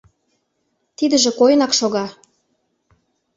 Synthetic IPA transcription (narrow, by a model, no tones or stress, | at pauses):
t̪id̪ə̆ʒĕkojənɑkʃoɣɑ